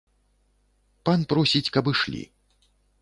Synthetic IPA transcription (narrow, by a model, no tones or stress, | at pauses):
panpɾɔsʲit͡sʲkɐbɨʂlʲḭ